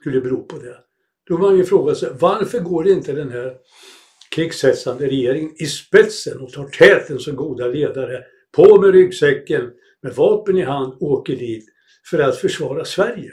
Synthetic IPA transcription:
skɵlːəbɛɾuːpʰɔd̪ɛ | d̪̥ɔmanjəfɾoːɡasɛvaɾfəɾɡoːɖɛɪnt̪əd̪ɛnɦæɾ | kʰɾɪɡsɛt̪sand̪əɾɛjeːɾɪŋənɪspɛt̪sənɔt̪ʰɑːʈʰɛːt̪ʰənsɔmɡuːd̪aleːd̪aɾə | pʰɔmɛɾʏɡsɛkːən | mɛvɑːpənɪɦand̪oːkəɖiːt̪ | fœɾat̪fœʂvɑːɾasvæɾjə

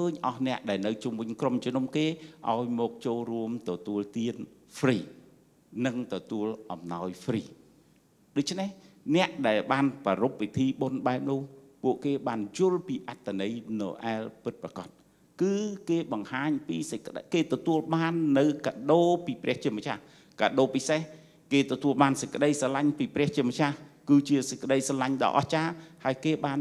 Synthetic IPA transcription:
kʰəːɲʔɑhnɛ̆əʔɗaɛlnɨwt͡ɕumʋɨɲkromt͡ɕonumkeːʔa̰ɔjmɔːk̚t͡ɕoːlruəmt̪ɔt̪uəlt̪iənfʰriː | nɨŋt̪ɔt̪uəlʔɑmnaɔjfʰriː | ɗoc̚t͡ɕʰneh | nɛ̆əʔɗaɛlɓaːnkɔɾup̚ʋit̪ʰiːɓonɓaɛp̚nʊ̆əhpuəʔkeːɓaːnjŭəlpiːʔat̪ʰːanɨjnɨ̰wʔa̰ɛlpɨt̪̚prakɑt̪̚ | kɨːkeːɓɑŋhaːɲpiːsəc̚k̆ɗkeːt̪ɔt̪uəlɓaːnːɨwkaːɗoːpiːprɛ̆əht͡ɕiəmət͡ɕʰa̰h | kaːɗoːpiseh | keːt̪ɔt̪uəlɓaːnsəc̚kə̆ɗəjsɑlaɲpiːprɛ̆əht͡ɕiəmət͡ɕahkɨːt͡ɕiəsəc̚kːə̆ɗəjsɑlaɲɗɑ̰ːʔɑ̰ht͡ɕaːhaəjkeːɓaːn

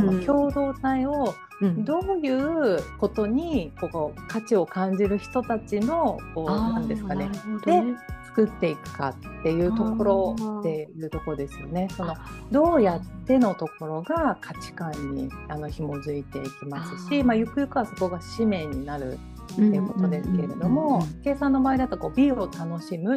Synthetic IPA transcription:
okʲo̞ːd̪o̞ːt̪aio̞ | d̪o̞ːjɯ̟ːko̞t̪o̞ɲ̟iko̞ːkat͡ɕio̞kãɲ̟d͡ʑiɾɯ̟çi̥t̪o̞t̪at͡ɕino̞ko̞ːnãnd̪e̞sɨ̥kane̞d̪̥e̞t͡sɨ̥kɯ̟t̪ːe̞ikɯ̟̥ka̰t̪ːe̞jɯ̟ːt̪o̞ko̞ɾo̞t̪e̞jɯ̟ːt̪o̞koɾod̪e̞sɨjo̞̰ne̞so̞no̞d̪o̞ːjat̪ːe̞no̞t̪o̞ko̞ɾo̞ɡakʰat͡ɕi̥kãɲ̟ːḭano̞çimo̞zɨit̪e̞ikʲimasɨ̥ɕimajɯkɯ̟jɯkɯ̟βaso̞ko̞ɡaɕime̞ɲ̟inaɾɯ̟̰ | t̪ːejɯ̟ko̞t̪o̞d̪e̞sɨ̥ke̞ɾe̞d̪o̞mo̞ke̞ːsãnːo̞baːeid̪at̪ːako̞ːbʲio̞t̪ano̞ɕimɯ̟

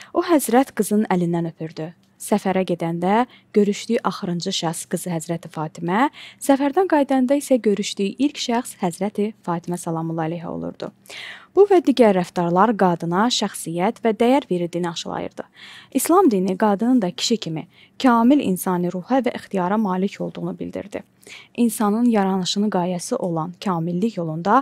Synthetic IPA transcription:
oɦæzɾæt̪ɡ̥ɯzɯnælind̪ænø̞pʰyɾd̪y | sæfæɾæɟe̞d̪ænd̪æ | ɟ̥ø̞ɾyʃd̪yjʔɑχɯɾɯnd͡ʒɯʃæχsɡ̥ɯzɯɦæzɾæt̪ʰifɑːt̪ʰimæsæfæɾd̪ænɡɑjd̪ɑnd̪ɑisæɟø̞ɾyʃd̪yjiʔilcʃæχshæzɾæt̪ʰifɑːt̪ʰimæsælˠɑmulˠːɑlejɦɛ̰o̰lˠṵɾd̪̥ṵ | b̥uvæd̪iːɟæɾːæft̪ɑɾlˠɑɾɡɑːd̪ɯnɑʃæxsijæt̪væd̪æjæɾve̞ɾild̪iːniɑʃɯlˠɑ̰jɯ̰ɾd̪ɯ̰islˠɑmd̪iːniɡɑːd̪ɯnɯnd̪ɑcʰi̥ʃicʰimi | cʰɑːmilḭnsɑːnɯɾuhævæʔixt̪ijɑːɾɑmɑːlicʰo̞lˠd̪uʁunubḭld̪ḭɾd̪ḭ | insɑnɯnjɑɾɑnɯʃɯnɯɡɑːjæsiʔo̞lˠɑncʰɑːmilːiçjo̞lˠund̪ɑ

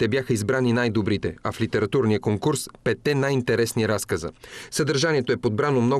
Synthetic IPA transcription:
t̪ɛbʲjaxəizbɾaninajd̪obɾit̪ɛɐflit̪ɛɾɐt̪uɾnijəkoŋkuɾspɛt̪ːɛnajint̪ɛɾɛsniɾaskəzə̰səd̪əɾʒaniɛt̪oɛpod̪̚bɾanomnɔ

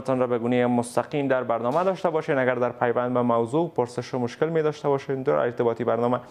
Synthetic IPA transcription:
t̪ɔnɾɔbɛɡunejemʊst̪aqimd̪aɾbaɾnɒmad̪ɒʃt̪abɒʃenaɡaɾd̪aɾpajwand̪bɛmawzopʊɾsɪʃɪmʊʃkɪlmed̪ɔʃt̪abɔʃend̪ʊ̰ḛɾt̪ɪbɒt̪ibaɾnɒma

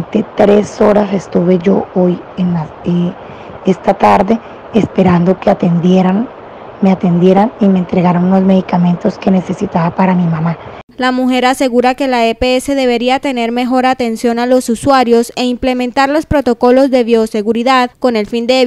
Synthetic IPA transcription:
nt̪e̞t̪ɾe̞so̞ɾase̞st̪uβe̞ʝo̞oj | enae | est̪at̪aɾðe̞ | espe̞ɾand̪o̞keat̪end̪eɾan | meat̪e̞nd̪je̞ɾanimeːnt̪ɾe̞ɣaɾonuno̞zme̞ðikamẽ̞nt̪o̞ske̞ne̞se̞sit̪aβapaɾamimama | lamuxe̞ɾase̞ɣuɾake̞laepeese̞ðe̞βe̞ɾiat̪e̞ne̞ɾme̞xo̞ɾat̪e̞nsjo̞nalo̞suswaɾjo̞se̞imple̞mẽnt̪aɾlo̞spɾo̞t̪o̞ko̞lo̞zðe̞βjo̞se̞ɣuɾiðaðko̞ne̞lfind̪e

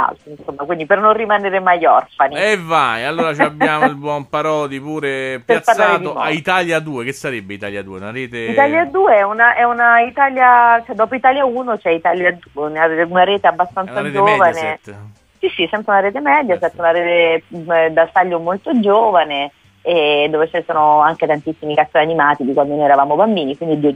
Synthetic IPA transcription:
a̰lt̪oinsomːakwind̪ipernorrimaneːɾemajɔrfanievajalːoːɾat͡ʃabːaːmoilbwɔmpaɾɔːd̪ipuːɾepeapaad̪o̰ait̪aljad̪uːek̟esːaɾebːeit̪aljad̪uːeunaɾeːt̪eit̪aljad̪uːeɛunaʔɛunait̪aːljat͡ʃɛd̪ɔːpoit̪aːljauːnot͡ʃɛit̪aːljad̪ueunaunaɾeːt̪eabːast̪ansad͡ʒoːvane | sisːisɛmpɾeunaɾeːt̪̬emɛːd̪jasɛp̪ɾeunaɾeːt̪ed̪at̪aʎːomolt̪od͡ʒoːvane | ed̪ːoːvet͡ʃɛnesɔːnoaŋk̟et̪ant̪isːimikasojanimaːt̪id̪ikwand̪onojɛɾavaːmobambiːnikwind̪id̪io

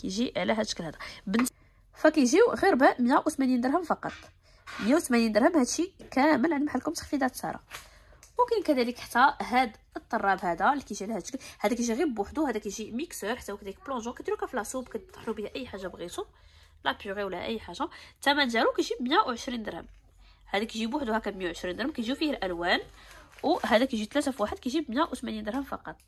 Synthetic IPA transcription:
kæjʒiʕlæɦæd̪ʃə̥kəlhæd̪æbən | fækæjʒiwɣiɾbæʔmjæwt̪mænind̪əɾɦəmfɑqɑt̪ˤ | mjæwt̪mænind̪əɾhəmhæd̪ʃikæməlʕand̪mħad̪kʊmt̪ə̥xfid̪æt̪t̪ɑ̰ɾˤɑ̰ | wkænkæd̪æləkħt̪ːæhæd̪ | ət̪ˤːɑrˤːɑbhæd̪ælːikæjʒiʕlæhæd̪ʃə̥klhæd̪ækæjʒiɣibwʊħd̪uhæd̪ækæjʒimiksəɾħḁt̪ːæwkæd̪ælik̚blɔ̃ʒɔ̃kæd̪iɾukæflæsubkæt̪ˤːə̥ħlubihæʔæjːħaʒːabɣit̪u | lætjuɣiwlæʔə̰jːħaʒat̪æmæd̪jælukæʒibmjæwʕəʃɾind̪əɾhə̰m | hæd̪ækiʒibwʊħd̪uhækæbmjæwʕəʃɾind̪əɾhəmkæjʒifihəlʔælwænwhæd̪ækæjʒit̪læt̪æfwaħəd̪̚kæʒibmjæʔwt̪mænind̪əɾhəmfɑqɑt̪ˤ

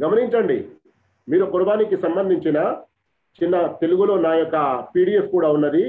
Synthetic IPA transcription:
ɡɐmɐniɲt͡ʃɐɳɖḭ | miːɾukuɾɐbaːnikisɐmbɐnd̪ʱiɲt͡ʃinɐ | t͡ʃinːɐt̪e̞luɡulo̞ːnaːjɔkːɐpiːɽiːefkuːɽaːunːɐd̪i

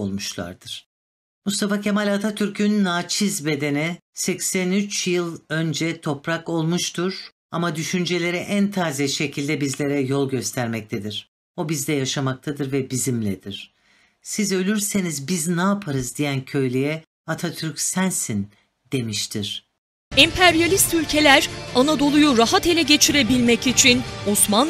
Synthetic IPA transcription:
olˠmuʃlˠa̰ɾd̪̥ɯɾ̥ | must̪afacʰemalʲat̪ʰat̪ʰyɾcʰynːaːt͡ʃʰizbe̞d̪e̞nɛsɛcsænyt͡ʃjɯlˠø̞nd͡ʒɛt̪ʰo̞pɾako̞lˠmuʃt̪ʰuɾ̥ | a̰mad̪yʃynd͡ʒe̞lʲe̞ɾiʔænt̪ʰaːzɛʃe̞cʰilʲd̪ɛbizlʲe̞ɾɛjolˠɟø̞st̪ʰæɾmɛc̚t̪ʰed̪iɾ̥ | o̞bizd̪ɛjaʃamak̚t̪ʰad̪ɯɾvɛbizimlʲɛd̪̥iɾ̥ | sizø̞lʲyɾse̞nizbiznaːpʰaɾɯzd̪ijæncʰø̞jlʲejɛ | at̪ʰat̪ʰyɾcʲsænsin | d̪̥e̞miʃt̪ʰiɾ̥ | ɛmpʰæɾjalʲist̪ylʲcʰe̞lʲæɾanad̪o̞lˠujuɾaɦat̪elʲɛɟe̞t͡ʃʰiɾe̞bilʲmɛcit͡ʃʰinosman

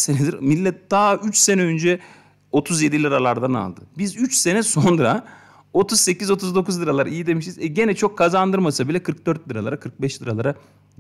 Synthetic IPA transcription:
senɛd̪iɾmilʲːɛt̪̚d̪̥aːyt͡ʃse̞nɛønd͡ʒɛ | o̞t̪ʰuzje̞d̪ilʲiɾalˠaɾd̪ana̰lˠd̪ɯbizyt͡ʃse̞nɛso̞nɾa | o̞t̪ʰuzse̞cizo̞t̪ʰuzd̪o̞kʰuzlɯɾalˠaɾaijid̪e̞miʃizɛɟe̞nɛt͡ʃʰo̞kʰːazand̪ɯɾmasabilʲɛkʰɯɾk̚d̪øɾt̪̚lʲɯɾalˠa̰ɾakʰɯɾk̚bɛʃlɯɾalˠaɾa

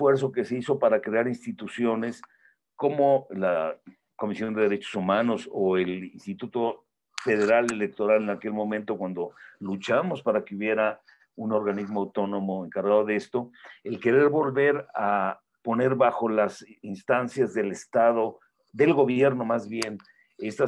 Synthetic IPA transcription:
fwe̞ɾs̬o̞ke̞seiso̞paɾakɾe̞aɾinst̪it̪usjo̞ne̞s | ko̞mola | ko̞misjo̞nd̪e̞ðe̞ɾe̞t͡ʃo̞̥sumãno̞soe̞linst̪it̪ut̪o̞ | fe̞ð̞e̞ɾale̞le̞k̚t̪o̞ɾale̞nake̞lmõ̞mẽnt̪o̞kwand̪o̞lut͡ʃamo̞spaɾakeuβje̞ɾa | uno̞ɾɣanizmoawt̪ono̞mo̞e̞ŋkaɾɣaðo̞ðe̞st̪o̞e̞lke̞ɾe̞ɾβo̞lβe̞ɾa | po̞ne̞ɾβaxo̞lasinst̪ansjazðe̞le̞st̪aðo̞ | ðe̞lɣo̞βje̞ɾno̞mazβje̞n | e̞st̪a

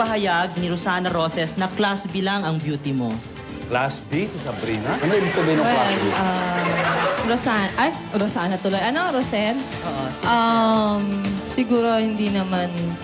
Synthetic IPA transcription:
pɐɦɐjaɡ̚nɪɾosaːnɐɾosɛsnɐklasbilaŋɐŋbjuːt̪ɪmo̞ | klasbisɐsɐbɾinɐʔɐnoɪbist̪ɐbɐjnɐwɛlɐ | ɾosanɐʔaj | ɾosaːnɐt̪ʊlojʔɐno̞ɾosɛnʔoʔosʔɐmsɪɡuːɾo̞hɪnd̪inɐman

